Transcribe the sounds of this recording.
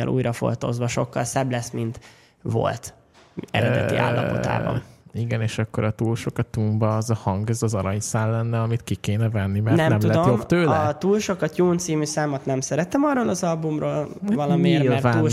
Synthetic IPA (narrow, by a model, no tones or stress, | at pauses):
ɛ̰lʔṵːjɾɒfo̰lt̪o̞̰zʋɒʃo̞kːɒlsɛblɛsmint̪ | vo̞̰lt̪ | ɛ̰ɾɛd̪ɛ̰ḭʔa̰ːlːɒ̰po̞̰a̰ːbɒ̰niɡɛneːʃɒkːo̞ɾɒt̪uːlʃo̞kɒt̪umbɒːzɒhɒŋɡɛzɒzɒɾɒɲsaːlːɛnːɛɒmit̪kikeːnɛvɛnːimɛnrnɛmnɛmulɛd̪ojobt̪øːlt̪uːlʃo̞kɒt̪juːnt̪siːmysaːmot̪nɛmsɛɾɛt̪ɛmɒrːoːlɒzɒlbumroːlvɒlɒmiilvaːul